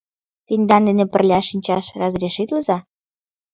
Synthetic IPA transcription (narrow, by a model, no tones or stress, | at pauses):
t̪inʲd̪ɑnd̪enĕpə̆rlʲɑʃinʲt͡ɕɑʃrɑzrʲeʃit̪ləzɑ